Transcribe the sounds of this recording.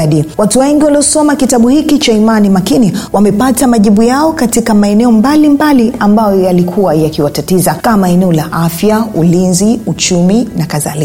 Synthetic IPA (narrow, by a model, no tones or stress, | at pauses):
ɗiwatuwɛŋɡiwaliɔsɔmakitaɓuhikit͡ʃaimanimakiniwamɛpatamaʄiɓujaɔkatikamaɛnɛɔmbalimbaliambajɔjalikʰuwajakiwatatizakamaɛnɛɔlaʔafjaulinziut͡ʃuminakaðali